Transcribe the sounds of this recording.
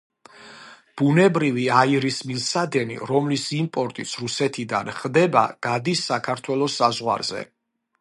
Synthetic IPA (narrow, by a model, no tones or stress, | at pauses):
b̥unɛbɾiviaiɾismilˠsad̪ɛnḭɾɔmlisimpʼɔɾt̪ʼit̪sʰɾusɛt̪ʰid̪a̰nχd̪ɛba̰ɡ̥ad̪isːakʰaɾt̪ʰwɛlˠɔsːazʁwa̰ɾz̥ɛ̰